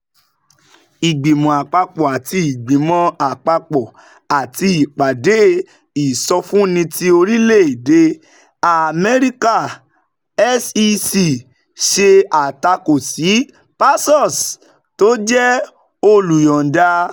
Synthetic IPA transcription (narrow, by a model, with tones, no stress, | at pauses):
i˨ɡ͡bĩ˨mɔ̃˨a˨k͡pa˧k͡pɔ˨a˨ti˧i˨ɡ͡bĩ˨mɔ̃˨˧a˨k͡pa˧k͡pɔ˨ | a˨ti˧i˨k͡pa˨de˨˦ | i˨sɔ˧fũ˦nĩ˧ti˦o˧ɾi˦le˦˨de˨˦ | a˨mɛ˦ɾi˦ka˦˨ | ɛ˦si˧si˦˨ | ʃe˧a˨ta˧ko˨si˨˦ | pa˦sɔ˦˨s | to˨˦d͡ʒɛ˦ | o˧lu˨jɔ̃˨da˧